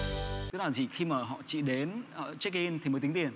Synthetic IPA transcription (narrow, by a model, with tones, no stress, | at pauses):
ə˦˥laː˨˩zi˧˨˩xi˧maː˨˩ɦɔ̰˧˨t͡ɕḭ˧˨ɗe˨˦nəː˨˩t͡ɕk̚i˧nt̪i˨˩mə˨˦t̪i˨˦ŋt̪i˨˩ən